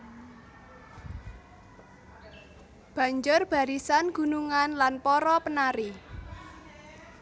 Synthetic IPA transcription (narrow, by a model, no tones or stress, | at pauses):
b̥ä̤ɲd͡ʒʊrb̥a̤ɾisanɡ̥ṳnuŋanlanpɔɾɔpənaɾi